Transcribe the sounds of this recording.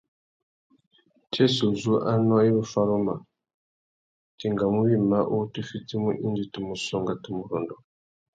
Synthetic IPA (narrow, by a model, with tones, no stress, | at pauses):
t͡ʃe˦su˨zu˦ʔa˦nɔ˦i˦mu˦fa˦ɾo˦ma˨ | ti˨ŋɡa˨mu˦βi˦ma˦ʔu˦ti˦fi˦t͡si˦mu˦ʔi˦ndi˨ti˨mu˨sɔ˦ŋɡa˨ti˨mu˨ɾɔ˨ndɔ˨